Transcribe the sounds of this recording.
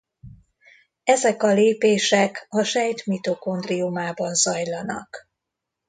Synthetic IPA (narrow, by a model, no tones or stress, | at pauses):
ɛzɛkɒleːpeːʃɛkɒʃɛjt̪mit̪oko̞nd̪riumaːbɒnzɒjlɒnɒ̰k